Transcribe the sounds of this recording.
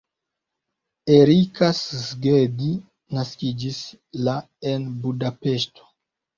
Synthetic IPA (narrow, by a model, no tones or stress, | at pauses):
eɾikaszɡed̪i | naskʲid͡ʒis | la | enbudapest̪o̥